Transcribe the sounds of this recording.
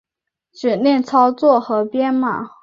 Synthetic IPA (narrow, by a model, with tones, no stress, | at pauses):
ʈ͡ʂɻ̩˨˩njɛ˥˩nt͡sʰɑ˥ʊt͡swɔ˥˩xɤ˧˥pjɛ˥nma˨˩